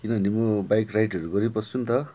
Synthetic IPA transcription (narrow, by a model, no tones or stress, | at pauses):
kinʌnimobajkrajʈʌɾuɡʌɾipʌsumt̪ʌ